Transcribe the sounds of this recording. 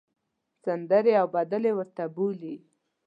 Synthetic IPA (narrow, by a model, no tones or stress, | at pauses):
sand̪əɾeawbad̪əlewəɾt̪abuli